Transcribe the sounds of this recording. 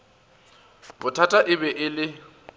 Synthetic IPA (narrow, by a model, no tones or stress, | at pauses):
bʊtʰatʼaʔɪbɛʔɪlɪ